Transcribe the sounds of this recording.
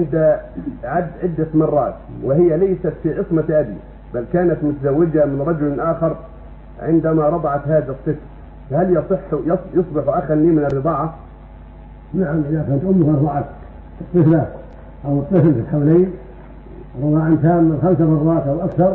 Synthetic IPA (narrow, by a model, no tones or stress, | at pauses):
ʕɪnd̪aʕad̪ːʕɪd̪ːat̪mɑrˤːɑːt̪wɪhɪjːalajsat̪fiʕɨsmaʔad̪i | balːkaːnat̪mʊt̪azawːɪd͡ʒamɪnɾˤɑd͡ʒʊlʔaːxɑɾˤ | ʕɪ̰nd̪amaɾˤɑd̪ˤɑʕɑt̪haːðasˤːɨfl | fahaljɑsˤɨħːjɑsˤjɑsˤbɪħuʔaxanːiːmɪnɪrːɨd̪ˤɑːʕa | naʕamʔɪðakant̪ʔʊmːkʔɑɾˤd̪ˤɑʕat̪ | ɨt̪ˤːɨfla | ʔawɨt̪ˤːɨflfɪlħawleːn | ɾˤʊðˤɑːʕɪnt̪aːmːɪlxamsamɑrˤːɑːt̪ʔawʔakθɑɾˤ